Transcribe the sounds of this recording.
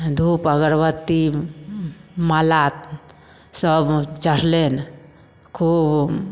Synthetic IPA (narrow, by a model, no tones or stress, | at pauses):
d̪ʱupəɡəɾbət̪ːi | malat̪ | səbt͡ʃəɾ̤len | kʰub